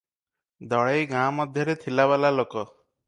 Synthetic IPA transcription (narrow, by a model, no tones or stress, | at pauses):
d̪ʱɔɭejɡãmɔd̪ʱjɔɾet̪ʰilabɛlalokɔ